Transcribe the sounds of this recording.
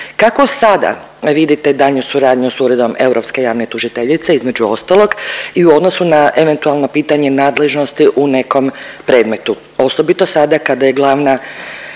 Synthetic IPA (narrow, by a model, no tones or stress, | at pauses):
kako̞sad̪a̰ | ʋid̪it̪ed̪aʎɲusuɾaːd̪ɲusuːɾe̞d̪o̞me̞uwɾʔopske̞jaːʋnet̪uʒit̪eʎit̪seizme̞d͡ʑuo̞st̪alˠo̞ɡiuo̞d̪nosunaʔeʋe̞nt̪ualˠno̞piːt̪aɲe̞naːd̪le̞ʒno̞st̪iʔune̞ko̞mpɾe̞ːd̪me̞t̪u | o̞so̞bit̪o̞sad̪akad̪aje̞ɡlˠaːʋna